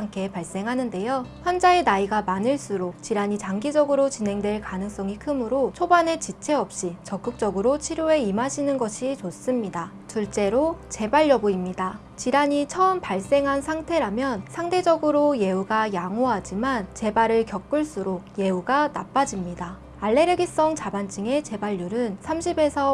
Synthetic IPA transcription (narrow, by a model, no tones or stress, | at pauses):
aŋkʰe̞paɭs͈e̞ŋɦanɯnde̞joçjʌnd͡ʑaenaiɡamanɯɭs͈uɾok̚t͡ɕiɾaɲit͡ɕaŋɡid͡ʑʌɡɯɾot͡ɕine̞ŋdwe̞ɭkanɯŋs͈ʌŋikʰɯmɯɾot͡ɕʰobanet͡ɕit͡ɕʰe̞ʌp̚ɕ͈it͡ɕʌk͈ɯk̚t͡ɕ͈ʌɡɯɾot͡ɕʰiɾjoe̞imaɕʰinɯnɡʌɕʰit͡ɕos͈ɯmɲida | t͡ɕuɭt͡ɕ͈e̞ɾot͡ɕe̞baɭːʌboimɲida | t͡ɕiɾaɲit͡ɕʰʌɯmpaɭs͈e̞ŋɦansʰaŋtʰe̞ɾamjʌnsʰaŋtʰe̞d͡ʑʌɡɯɾoje̞uɡajaŋoɦad͡ʑimant͡ɕe̞baɾɯɭkjʌk͈ɯɭs͈uɾok̚je̞uɡanap͈ad͡ʑimɲida | aɭːe̞ɾeɡis͈ʌŋt͡ɕabant͡ɕ͈iŋe̞t͡ɕe̞baʎːuɾɯnsʰamɕʰibe̞sʰʌ